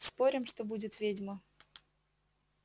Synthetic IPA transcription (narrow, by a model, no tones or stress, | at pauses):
spo̞ɾʲɪmʂt̪obudʲɪt̪vʲedʲmə